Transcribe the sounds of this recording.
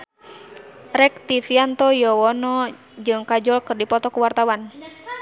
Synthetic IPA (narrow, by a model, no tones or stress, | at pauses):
ɾɛk̚t̪ifiant̪ɔjɔwɔnɔ | d͡ʒɨŋkad͡ʒɔlkɨrdipɔt̪ɔkuwart̪awan